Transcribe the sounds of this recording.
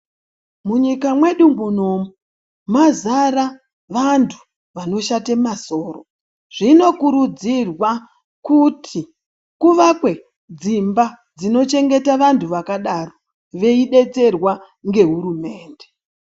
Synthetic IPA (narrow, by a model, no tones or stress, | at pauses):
muɲikamwe̞ɗumbunoːmu | mazaɾa | ʋantʰu̥ | ʋano̞ʃatemaso̞ːro̰ | ʐ̥ino̞kuɾud͡zirwa | kutʰi | kuʋakwe̞ | d͡zimba | d͡zino̞t͡ʃe̞ŋɡe̞taʋantʰuʋakaɗaro | ʋe̞iɗe̞t͡se̞rwa | ŋɡe̞ɦuɾume̞ːnde